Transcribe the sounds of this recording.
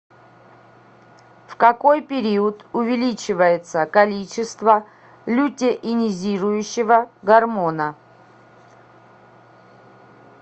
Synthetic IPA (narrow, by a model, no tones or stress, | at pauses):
fkɐko̞jpʲɪɾʲiʊt̪ʊvʲɪlʲit͡ɕɪvəjɪt̪səkɐlʲit͡ɕɪst̪və | lʲutʲɪʔɪnʲɪzʲiɾʊjʊɕːɪvəɡɐrmonə